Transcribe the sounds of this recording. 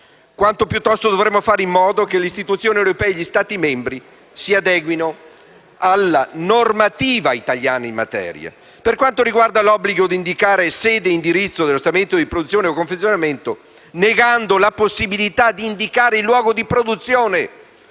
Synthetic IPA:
kwant̪opjut̪ːɔst̪od̪ovɾemːofaːɾeimːɔːd̪okelist̪it̪ut̪sːjoːnewɾopɛːeʎist̪aːt̪imembɾi | siad̪ɛːɡwino | alːanormat̪iːvait̪aʎjaːnaimːa̰t̪ɛ̰ːɾja̰ | perkwant̪oɾiɡward̪alɔbːliɡod̪ind̪ikaːɾesɛːd̪eind̪iɾit̪sːod̪elːost̪ament̪od̪ipɾod̪ut̪sːjoːneokoɱfet̪sːjonament̪o | neɡand̪olaposːibilit̪ad̪iːnd̪ikaːɾeilːwɔːɡod̪ipɾod̪ut̪sːjoːne

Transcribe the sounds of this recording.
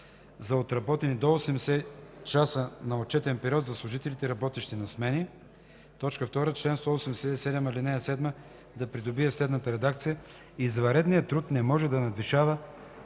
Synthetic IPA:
zɐot̪ɾɐbɔt̪ɛnid̪oosɛmsɛt͡ʃasənɐot̪̚t͡ʃɛt̪ɛnpɛɾiɔt̪zɐslˠʊʒit̪ɛlit̪ɛiɾɐbɔt̪iʃt̪inɐsmɛni | t̪ɔt͡ʃkəft̪ɔɾət͡ʃlɛnst̪ɔosɛmsɛsɛd̪ɛmilinɛsɛd̪mə | d̪ɐpɾid̪obiɛslɛd̪nət̪əɾɛd̪akt̪sijə | izvɐɾɛd̪nijət̪ɾut̪nɛmɔʒɛd̪ɐnɐd̪viʃavə

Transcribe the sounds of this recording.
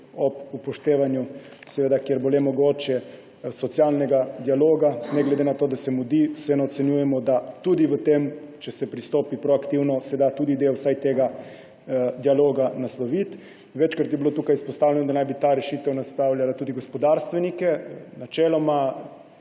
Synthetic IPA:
ɔpupɔʃt̪eːʋanju | sɛʋeːd̪akjeɾbolemɔɡoːt͡ʃjɛ | sɔt̪sʲjalnɛɡad̪ialoːɡanɛɡlɛd̪enat̪oːd̪asɛmud̪iwsɛnɛːt̪sɛnjuːjɛmɔd̪at̪ud̪iʋət̪emt͡ʃɛsɛpɾist̪oːpipɾoakt̪iwnɔsɛd̪at̪uːd̪id̪ewsajt̪eːɡa | d̪ialoːɡanaslɔʋit̪ | ʋɛt͡ʃkɾat̪jɛbilot̪uːkajispɔst̪aːwlʲɛnɔd̪anajbit̪aɾɛʃiːt̪ɛwnast̪awlʲjalat̪uːd̪iɡospɔd̪aɾst̪ʋɛnikɛnat͡ʃɛːlɔma

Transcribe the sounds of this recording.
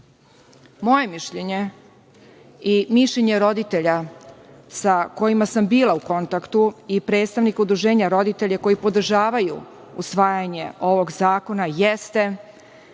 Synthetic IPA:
mo̞je̞miʃʎeɲe̞ | imiʃʎeɲe̞ɾo̞d̪it̪eʎa | sako̞jimasambiːlauko̞nt̪akt̪uipɾe̞ːt̪st̪aʋnikud̪ɾuʒe̞ːɲaɾo̞d̪it̪e̞ʎako̞jipo̞d̪ɾ̩ʒaːʋajṵ | usʋaːjaɲe̞o̞ʋo̞ɡzaːko̞najest̪e̞

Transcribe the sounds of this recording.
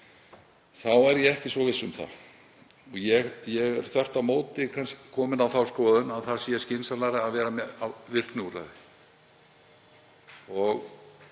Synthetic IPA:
θawɛɾjɛɛhcɪsvɔvɪsːʏmθa̰ | ɔɣjɛɣjɛɣɛɾ̥θɛr̥t̪amoːwt̪ɪkʰanscɪ̥kʰɔːmɪnawθawskɔːðʏnaðθḁsiascɪnsalaɾɪaðvɛːɾamɛawvɪr̥knuɾa̰ðɪ | ɔɣ

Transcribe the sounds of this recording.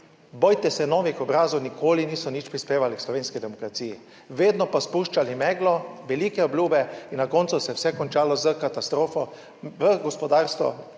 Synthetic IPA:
bɔjt̪ɛsɛnɔːʋixɔbɾaːzɔwnikʰoːliniːsɔniːt͡ʃpɾispeːʋalikslɔʋeːnskid̪ɛmɔkɾat̪siːji | ʋeːd̪nɔpaspuːʃt͡ʃalimɛːɡlɔʋɛliːkɛɔbljuːbɛinːakɔntsusɛwsɛkɔnt͡ʃaːlɔzəkat̪ast̪ɾoːfɔ | ʋəɡɔspɔd̪aːɾst̪ʋɔ̰

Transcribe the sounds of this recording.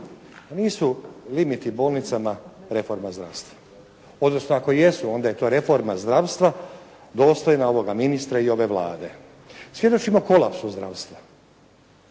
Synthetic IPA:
niːsulimit̪ibo̞ːlnit̪samaɾe̞fo̞ɾmazd̪ɾa̰ʋst̪ʋḁ | o̞d̪no̞snoako̞je̞suo̞nd̪aje̞t̪o̞ːɾe̞fo̞ɾmazd̪ɾaʋst̪ʋa | d̪o̞ːst̪ojenao̞ʋo̞ɡaminist̪ɾaio̞ʋe̞ʋla̰ːd̪e̞ | sʋje̞d̪o̞t͡ʃimoko̞lˠapsuzd̪ɾaʋst̪ʋa

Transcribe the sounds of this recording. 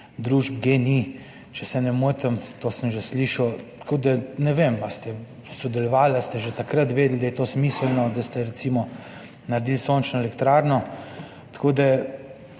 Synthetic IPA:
d̪ɾuːʒb̚ɡeni | t͡ʃɛsɛnɛmut̪əmt̪oːsəmʒɛsliʃɐwt̪kʰoːd̪anɛʋemast̪ɛ | sɔd̪ɛlɔʋaːlast̪ɛʒɛt̪akɾət̪ʋeːd̪ld̪ajɛt̪oːsmiːsəlnɔd̪ast̪ɛɾɛt̪siːmɔ | naɾd̪iːlsoːnt͡ʃnɔɛlɛkt̪ɾaːɾnɔ | t̪ḁkʰoːd̪a

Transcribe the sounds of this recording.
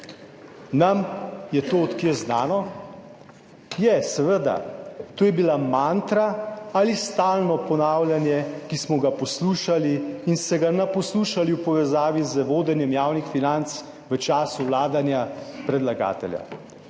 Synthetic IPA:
namjɛt̪ot̪kiɛznaːnɔ | jɛsɛʋəd̪a̰t̪oːjɛbilamant̪ɾaalist̪aːlnɔpɔnaːwljanjɛkismɔɡapɔsluːʃaliːnsɛɡanapɔsluːʃaliwpɔʋɛzaːʋizəʋoːd̪ɛnjɛmjaːwnixfinant̪s | ʋət͡ʃaːsuwlaːd̪anjapɾɛd̪laɡa̰ːt̪ɛ̰lja̰

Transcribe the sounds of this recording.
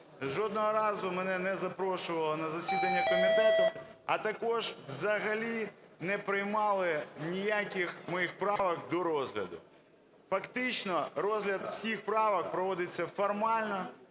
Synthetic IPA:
ʒɔd̪nɔɦɔɾɑzʊmɛnɛnɛzɐpɾɔʃʊʋɐlˠɔnɐzɐsʲid̪ɐnʲːɐkɔmʲɪt̪ɛt̪ʊɐt̪ɐkɔʒwzɐɦɐlʲinɛpɾɪjmɑlˠɪnʲijakʲɪxmɔjixpɾɑʋɐkd̪ɔɾɔzɦlʲɐ̰d̪ʊ̰ | fɐkt̪ɪt͡ʃnɔɾɔzɦlʲɐd̪w̥sʲixpɾɑʋɐkpɾɔʋɔd̪ɪt͡sʲːɐfɔrmɑlʲnɔ

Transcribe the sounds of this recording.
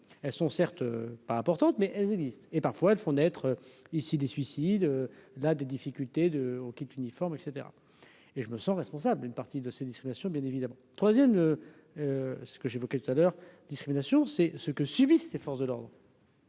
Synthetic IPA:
ɛlsɔ̃sɛʁt̪øpaɛ̃pɔʁt̪ɑ̃t̪mɛʔɛlzɛɡzist̪epaʁfwaɛlfɔ̃nɛt̪χøisid̪esɥisid̪ølad̪ed̪ifikʲylt̪ed̪əokʲit̪ynifɔʁmɛkset̪eʁa̰ | eʒəməsɑ̃ʁɛspɔ̃sablynpaʁt̪id̪əsed̪iskiminasjɔ̃bjɛ̃nevid̪amɑ̃t̪χwazjɛmø | øssə̥kəʒevɔkɛt̪u̥t̪alœʁd̪iskχiminasjɔ̃sɛsəkəsybisːefɔʁsd̪əlɔʁd̪ʁ

